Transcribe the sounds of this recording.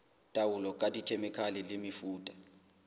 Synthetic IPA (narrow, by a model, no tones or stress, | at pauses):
tʼawulɔkʼatʼit͡ʃʰemikʰalɛlɪmifuːtʼḁ